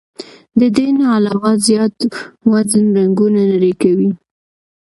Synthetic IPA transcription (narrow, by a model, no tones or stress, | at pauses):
d̪əd̪enaalɑwɑzjɑt̪wazənɾaŋɡunanaɾekawi